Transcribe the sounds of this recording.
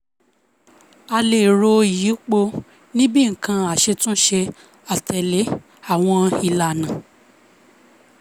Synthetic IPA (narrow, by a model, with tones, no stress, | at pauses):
a˧le˨ɾo˧i˨ji˨˦k͡po˧ | nĩ˦bĩ˦˨ŋ̩˨kã˧a˨ʃe˧tũ˦ʃe˧ | a˨tɛ˨le˨˦ | a˦˨w̃ɔ̃˧i˧la˨nã˨